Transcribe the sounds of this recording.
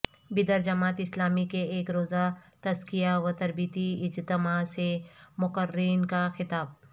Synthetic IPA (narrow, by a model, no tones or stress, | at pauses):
bɪd̪əɾd͡ʒɐmaːt̪ɪslaːmikeeːkɾoːzat̪ɐzkijaʋɐt̪ɐɾbiːt̪iɪd͡ʒt̪ɪmaːsemʊqəɾiːnkaxɪt̪aːb̚